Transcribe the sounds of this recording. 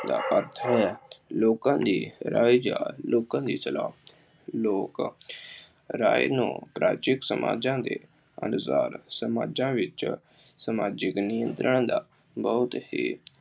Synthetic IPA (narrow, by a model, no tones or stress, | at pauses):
d̪a̰ːʔəɾt̪ʰɛːloːkãːd̪iːɾaːid͡ʒaːloːkãːd̪iːsəlaːb | loːk | ɾaːḭnṵ̃ːpɾaːt͡ʃɪksəmʔa̰ːd͡ʒãːd̪ḛː | ə̰nʊsaːɾsəmaːd͡ʒãːʋɪt͡ʃ | səmaːd͡ʒɪknijə̃nt̪ɾəɳd̪aː | bɔʊt̪hiː